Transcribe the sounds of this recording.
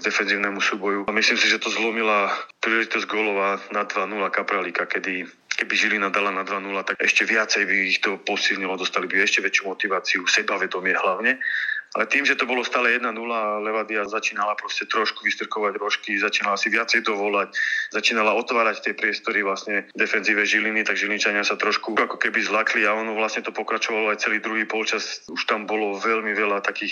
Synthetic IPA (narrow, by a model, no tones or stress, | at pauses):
d̪ɛfɛnziːʊnɛmusuːbɔjumislimsiʒɛt̪ɔzlɔmilapɾiːlɛʒit̪ɔzɟɡɔlɔʋaːnad̪ʋanulakapɾalikakɛd̪i | kɛbiʒilinad̪alanad̪ʋanulat̪aɛ̰ʃcɛʋɪat͡sɛjbiːxt̪ɔpɔsilɲilɔd̪ɔst̪alibiɛʃcɛʋɛt͡ʃjumɔt̪iʋaːt͡siusɛbaʋɛd̪ɔmɪɛɦlaʊɲɛa̰lɛt̪iːmʒɛt̪ɔbɔlɔst̪aːlɛjɛd̪nanulalɛʋad̪iazat͡ʃiːnalapɾɔscɛt̪ɾɔʃkuʋist̪r̩kɔʋaɟɾɔʃkizat͡ʃiːnalaasiʋɪat͡sɛjt̪ɔʋɔlaczat͡ʃiːnalaɔt̪ʋaːɾact̪ɪɛpɾɪɛst̪ɔɾiʋlasɲɛd̪ɛfɛnziːʋɛʒilinit̪aɡʒiliɲt͡ʃaɲɪasat̪ɾɔʃkuakɔkɛbizlakliaɔnɔʋlasɲɛt̪ɔpɔkɾat͡ʃɔʋalɔajt͡sɛliːd̪ɾuɦiːpɔlt͡ʃasuʃt̪ambɔlɔʋɛlmiʋɛlat̪akiːx